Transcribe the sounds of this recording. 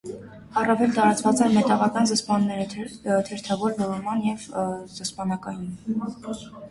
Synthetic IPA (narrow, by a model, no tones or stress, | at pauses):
ɑrɑvɛlt̪ɑɾɑt͡svɑt͡sɛnmɛt̪ɑʁɑkɑnzəspɑnːɛɾət̪ʰɛɾt̪ʰɑvɔɾlɔɾɔmɑnjɛvzəspɑnɑkɑjun